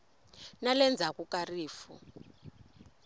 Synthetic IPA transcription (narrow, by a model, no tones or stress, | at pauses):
nalɛnd͡zʱakʼukariːfṵ